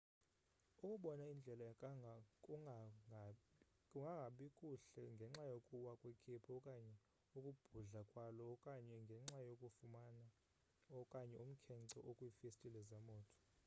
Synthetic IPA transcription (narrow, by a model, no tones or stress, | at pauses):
ukʼuɓɔnaind͡ɮʱɛla | kʼ | kʼuŋɡʱaŋɡʱaɓikʼuɬɛŋɡʱɛŋ͡ǁajokʼuwakʼwekʰepʰɔkʼaɲɛ | ukʼub̥ʱuɮakʼwalɔkʼaɲɛŋɡʱɛŋ͡ǁajokʼufumana | ɔkʼaɲɛum̩kʰɛnǀʰɔ̰ʔokʼwiːfestʼilɛzamɔːtʰɔ̥